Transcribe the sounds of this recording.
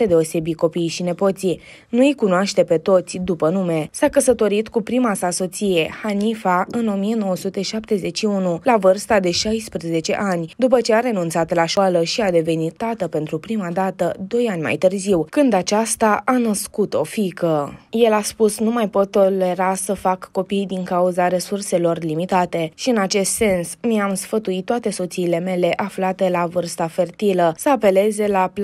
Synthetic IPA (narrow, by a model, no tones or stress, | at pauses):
ed̪e̞ose̞biko̞pijʃine̞po̞t̪si | nuijkunoaʃt̪e̞pe̞t̪o̞t̪sʲd̪upənume̞sakəsət̪o̞ɾit̪kupɾimasaso̞t̪sije̞hanifaɨno̞mie̞no̞wəsut̪e̞ʃap̚t̪e̞ze̞t͡ʃiunulavɨrst̪ad̪e̞ʃajspɾeze̞t͡ʃe̞̰ʔanʲd̪up̬ət͡ʃe̞aɾe̞nunt̪sat̪laʃaləʃiad̪e̞ve̞nit̪ːat̪əpe̞nt̪ɾupɾimad̪at̪əd̪o̞janʲma̰jt̪ɨrziwkɨnd̪at͡ʃast̪aʔanəskut̪o̞fikəje̞laspusnumajpo̞t̪ːo̞le̞ɾasəfakːo̞pijd̪iŋkauzaɾe̞surse̞lo̞rlimit̪at̪e̞ʃiɨnat͡ʃe̞st̪se̞nsmiamsfət̪uit̪ːoat̪e̞so̞t̪siːle̞me̞le̞ʔaflat̪e̞lavɨrst̪afe̞rt̪iləsəape̞le̞ze̞lap